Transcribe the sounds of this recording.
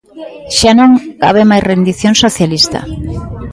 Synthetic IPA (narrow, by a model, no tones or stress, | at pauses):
ʃanõŋka̰β̞emajsrend̪iθjõnsoθjalist̪a̰